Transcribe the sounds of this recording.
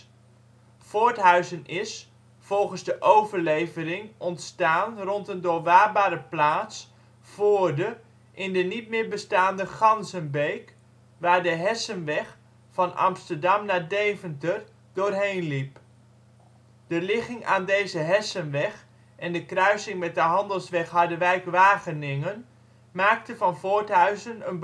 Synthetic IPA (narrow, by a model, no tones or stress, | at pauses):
foːɹtɦœɥzənɪs | fɔlˠχənzdəʔowvəɹlejvərɪŋɔntstaːnrɔntəndʊːɹʋaːbaːɾəplaːts | foːɹdə | ʔɪndənit̚mɪːɹbəstaːndəχɑnzənbejk | ʋaːɹdəɦɛsənʋɛχ | fɑnɑ̰mstəɹdɑmnaːdeːvəntər | dʊːrɦejnlip | d̥əlɪχɪŋaːndeːzəɦɛsənʋɛx | ʔɛndəkrœɥsɪŋmɛt̚dəɦɑndəlˠsʋɛχhɑɹdəʋɛjkʋaːɣənɪŋən | maːk̚təvɑnfoːɹtɦœɥzənənb